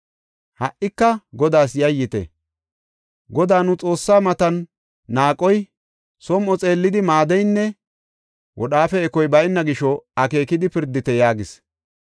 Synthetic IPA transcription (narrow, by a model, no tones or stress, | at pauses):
hɐʔːɪkːɐɡɔd̪aːsjɐjːɪt̪ɛ̰ | ɡɔd̪aːnʊt͡sʼo̞ːsːaːmɐt̪ɐnː | aːkʼɔj | sɔmʔɔt͡sʼe̞ːlːɪd̪ɪmaːd̪ɛjnːɛ | wʔɔ̰ɗaːfɛːkɔjbɐjnːɐɡɪʃɔɐke̞ːkɪd̪ɪpɪɾd̪ːɪt̪ɛjaːɡɪs